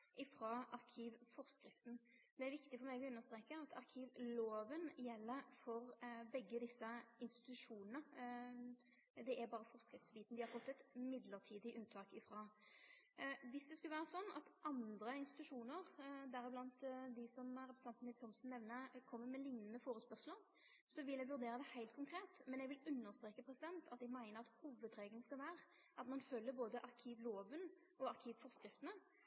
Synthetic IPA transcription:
ʔɪfɾɑʔɑʁkʰiːʋfɔɾskɾɪft̪n̩ | d̪ɛæɾʋɪkt̪ɪfɔɾmæɪɡɔʉnːəʁst̪ɾeːkəɑt̪ʰɑʁkʰiːʋloːʋənjɛlːəfɔɾbɛɡːəd̪ɪsːəɪnst̪ɪ̥t̪ʉʂuːnənə | d̪ɛʔæɾbɑːɾəfɔʁskɾɪft̪sbiːt̪n̩d̪ɪhɑɾfɔt̪ːɛt̪mɪd̪ləʁt̪ʰiːd̪ɪʔʉnt̪ʰɑːkɪfɾɑː | ʋɪsd̪ɛskʉləʋæːɾəsɔnːɑ̰t̪ʔɑnd̪ɾəɪnst̪ɪ̥t̪ʉʂuːnəʁd̪æɾɪblɑnt̪d̪ɪsɔmæɾɛpɾst̪ɛnt̪nɪlt̪ʰɔmsn̩ːɛʋnəkʰɔmːəmɛlɪŋnənəfoːɾəspœʁʂləɾ | sɔʋɪlɛɡʋʉɾʁd̪eːʁəd̪ɛhæɪlt̪̚kʰʊŋkʰɾeːt̪mɛnɛɡʋɪlʉnːəʁst̪ɾeːkəpʰɾɛsɪd̪ɛnt̪ʰɑt̪ɛɡmæɪnəɑt̪huːʋəd̪ɾeːɡənskɑlʋæːɾə | ɑt̪mɑnfølːəboːd̪əʔɑʁkʰiːʋloːʋən | ɔɑʁkʰiːʋfɔʁskɾɪft̪ənə

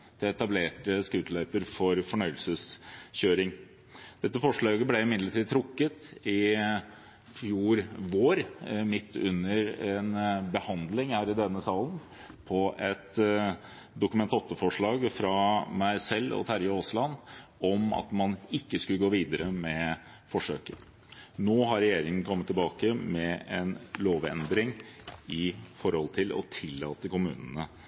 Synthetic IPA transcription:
t̪ʰɪlɛt̪ɑbleːʈəskʉːt̪lɛpəɾfɔɾfɔɳœʏəlsəsçøːɾɪŋ | d̪̥ɛt̪ːəfɔʂɭɑːɡəblɛɪmɪd̪ləʈiːd̪̚t̪ʰɾʊkːət̪ɪ | fjuːɾʋoːɾmɪt̪ʰːʉ̰nːəɾɛnbəhɑnd̪lɪŋhæːɾɪd̪ɛnːəsɑːln | pʰɔʔɛt̪ | d̪ʊkʉmɛnt̪ɔt̪ːəfɔʂɭɑːɡfɾɑmæsɛlːɔ̰t̪ʰæɾjʊoːslɑnɔmɑ̰t̪mɑnɪkːəskʉləɡoːʋiːd̪əɾəmɛ | fɔʂø̰ːkə | noːɦɑɾɛjeːɾɪŋən̩kʰɔmːət̪ʰːɪlbɑːkəmɛɛnloːʋɛ̰nd̪ɾɪŋɪfɔɾhɔlt̪ʰɪlɔ̰t̪ʰɪlːɑ̰ːt̪əkʊmʉːnənə

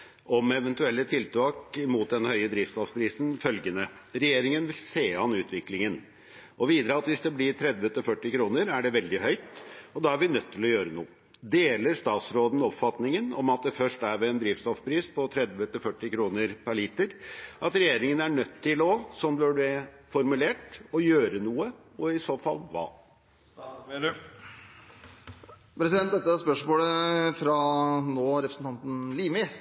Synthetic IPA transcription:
ʔɔmɛʋɛnt̪ʉɛlːət̪ʰɪlt̪ʰɑːkmuːt̪̚d̪ɛnhœʏəd̪ɾɪft̪st̪ɔfpʰɾiːsn̩fœlɡənə | ɾɛjeːɾɪŋənʋɪlseːɑnʉːt̪ʰʋɪklɪŋən | ʔɔʋiːd̪ɾəɑt̪ʋɪsd̪ɛblɪɾt̪ʰɾɛd̪ʋət̪ɪlfœʈːɪkʰɾuːnəɾæɖɛʋɛld̪ɪhœʏt̪ɔd̪ɑæɾʋɪnœt̪ʰːɪlɔjøːɾənṵːə | d̪eːləɾʂt̪ɑːt̪sɾoːd̪n̩ɔpfɑt̪nɪŋənɔmɑt̪̚d̪ɛfœʂʈæɾʋɛːnd̪ɾɪːft̪st̪ɔfpʰɾiːspʰɔt̪ʰɾɛd̪ʋət̪ɪlfœʈːɪkʰɾuːnəɾpʰæɾɭiːt̪əɾʔɑt̪ɾɛjeːɾɪŋənæɳœt̪ʰːɪlɔsɔmd̪ɛfɔɾmʉleːʈɔjøːɾənuːə | ɔɪsoːfɑlːʋɑ̰ː | pʰɾɛsɪd̪ɛnt̪̚d̪ɛt̪ːəspœʂmoːləfɾɑnoːɾɛpɾəsn̩t̪ʰɑnt̪n̩liːmɪ

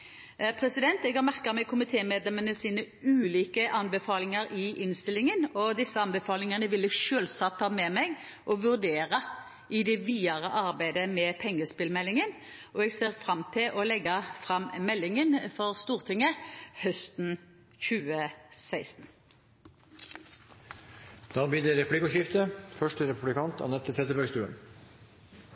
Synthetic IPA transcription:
pʰʁɛsɪd̪ɛnt̪ɛɡɑʁmæʁkəmɛkʰʊmɪt̪ʰeːmeːd̪lɛmənəsiːnə | ʉːliːkəʔɑnbəfɑːlɪŋəɾɪʔɪnst̪ɪlːɪŋənɔd̪ɪsːəɑnbɛfɑːlɪŋənəʋɪlːəʃøːlsɑt̪ʰːɑːmɛmɛɡ | ʔɔʋʉʁd̪eːʁə | ʔɪd̪ɛʋiːɑʁəʔɑʁbæɪd̪əmɛpʰɛŋːəspɪlmɛlːɪŋən | ʔɔɛɡseːʁfʁɑmt̪ʰɪlʔɔlɛɡːɑfʁɑmmɛlːɪŋənfɔʁst̪uːʁt̪ʰɪŋəhœst̪n̩ | çʉːəsæɪst̪n̩ | d̪̥ɑːbiːd̪ɛɾɛpʰlɪkʊʃɪft̪əfœʂʈəɾɛpʉblɪkʰɑnt̪ʰɑ̰nɛt̪ʰːɪt̪ʰɾɛt̪əbœɾɡst̪ʉːə̰n

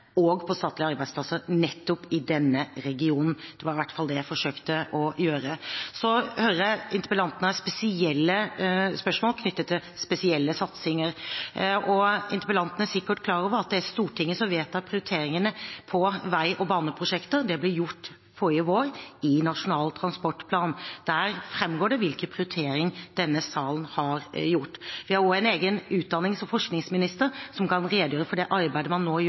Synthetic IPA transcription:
ɔɡpʰɔst̪ɑːt̪lɪɑɾbæɪsplɑsəɾnɛt̪ːʊpɪd̪ɛnːəɾɛɡɪuːnn̩d̪̥ɛʋɑɾɪʋæʈːfɑld̪ɛjæɪfɔʂøːkt̪əʔɔjøːɾəsɔhøɾəɪnt̪ə̥pəlɑnt̪ənəɑspɛsɪɛlːəspœʂmoːlkʰnʏt̪ːət̪ʰːɪlspɛsɪɛlːəsɑt̪sɪŋəɾ | ɔɪ̰nt̪əpəlɑnt̪nəsɪkːəʈkʰlɑːɾɔːʋəɾɑt̪̚d̪ɛæst̪uːʈʰɪŋːəsɔmʋeːt̪ɑpʰɾɪʊɾɪt̪ʰeːɾɪŋənəpʰɔʋæɪʔɔbɑːnəpʰɾʊʂɛkt̪əɾd̪ɛblɪɾjʊʈː | fɔɾəʋoːɾɪnɑʂʊnɑːlt̪ʰɾɑnspɔʈːpʰlɑːnd̪̥æɾfɾɛmːɡoːɖɛʋɪlkənpʰɾɪʊɾɪt̪ʰeːɾɪŋd̪̥ɛnːəsɑːln̩hɑɾjʊʈːʋɪhɑɾɔɛɪneːɡənʉːt̪̚d̪ɑnːɪŋsɔmfɔʂknɪŋsmɪnɪst̪əɾsɔmkɑnɾeːd̪jøːɾəfɔɖɛʔɑɾbæɪd̪əmɑnːoːj

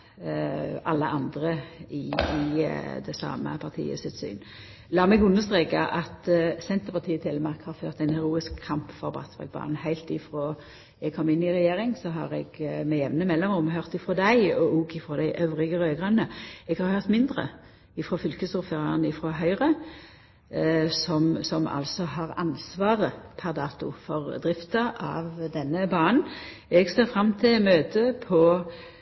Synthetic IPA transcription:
ɑlːəʔɑnd̪ʁəɪɪd̪ɛsɑ̰ːmə̰pʰɑʁt̪ʰḭːə̰sɪt̪sy̰ːn | lɑːʁmɛɡʉnːəst̪ʁeːkɑʔɑt̪sɛnt̪əpɑt̪ʰiːət̪ʰɪlːmɑʁkhɑʁføːʁt̪ɛɪnɛʁuːɪskʰːɑmpfɔɾbɑ̰t̪sʋɑ̰ɡ̚bɑ̰ːnn̩hæɪlt̪ɪfɾʁoː | ɛɡ̚kʰɔmːɪnːɪʁɛjeːʁɪŋsɔɦɑ̰ːʁɛɡmɛjɛʋnəmɛlːɔmʊmɦœʁt̪ɪfɾoːd̪æɪɔʔɔːɡɪfʁoːd̪æɪʔœʋʁɪɡəʁøːɡʁɑnəɛɡhɑʁhœʁt̪mɪnd̪ʁə̰ | ɪfʁoːfʏlkəst̪ʊføːʁɑnəɪfʁoːɦœʏʁə | sɔmsɔmɑ̰lsɔhɑʁɑ̰nsʋɑːʁəpʰæʁd̪ɑːt̪ʊ̰fɔʁd̪ʁɪft̪ɑʔɑ̰ʋd̪ɛnːəbɑːn̩ɛɡseːʁfɾɑmːt̪ʰɪlmøːt̪ʰəpʰɔ

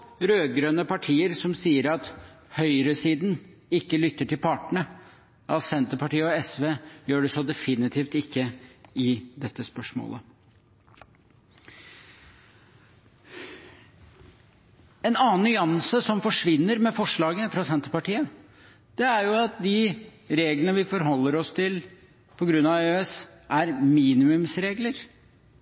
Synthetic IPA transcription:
ɾøːɡɾøːnəpʰɑʈʰiːəɾsɔmsiːəɾɑt̪ | hœʏɾəsiːd̪n | ɪkːəlʏt̪ːəʈʰɪlpʰɑʈəɳə | ɑsɛnt̪əpɑʈiːəɔɛsʋeːjøːɖɛsɔd̪ɛfɪnɪt̪ʰiːft̪ɪkːəɪd̪ɛt̪ːəspœʂmo̰ːlə̰ | ɛnɑːnːʏɑnsəsɔmfɔʂʋɪnːəɾmɛfɔʂɭɑːɡəfɾɑsɛnt̪əɾpɑʈiːə | d̪̥ɛæɾjʊɑt̪̚d̪ɪ | ɾeːɡlənəʋɪfɔɾɦɔlːəɾɔst̪ʰɪl | pʰɔɡɾʉnːɑʋøːɛsʔæɾmiːnɪmʉmsɾeːɡləɾ

